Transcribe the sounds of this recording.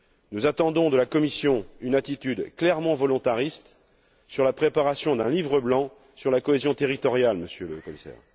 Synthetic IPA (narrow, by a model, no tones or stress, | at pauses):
nuzat̪ɑ̃d̪ɔ̃d̪əlakɔmisjɔ̃ynat̪it̪yd̪klɛʁmɑ̃vɔlɔ̃t̪aʁist̪ | syʁlapχepaʁasjɔ̃d̪ɛ̃livʁəblɑ̃ | syʁlakɔezjɔ̃t̪eʁit̪ɔʁjalməsjøləkɔmisɛ̰ːʁ